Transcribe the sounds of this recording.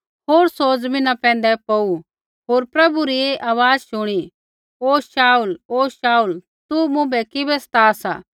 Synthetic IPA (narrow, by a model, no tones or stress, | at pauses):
ɦoːɾsoːd͡zmɪ̃nãpɛ̃ːnd̪ɛpou | ɦoːɾpɾɐbuɾieʔaːʋaːd͡zʃʊɽ̃i | ɦoːʃaːuloːʃaːul | t̪umʊ̃bɛkɪbɛst̪aːsa̰ː